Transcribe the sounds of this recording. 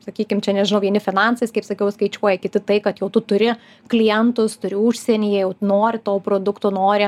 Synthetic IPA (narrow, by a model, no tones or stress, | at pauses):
sɐkʲiːkʲɪmt͡ʃʲɛnʲɛʒɪnɐʊʋʲiɛnʲɪfʲɪnɑnsɐɪskɐɪpsɐkʲɛʊskɐɪt͡ʃʲuɔjɛkʲɪt̪ʲɪt̪ɐɪkɐt̪jɛʊt̪ʊt̪ʊɾʲɪ | klʲijɛnt̪ʊst̪ʊɾʲɪʊʃʲsʲɛnʲiːjɛjɛʊnoːɾʲɪt̪oːpɾoːd̪ʊkt̪oːnoːɾʲɪ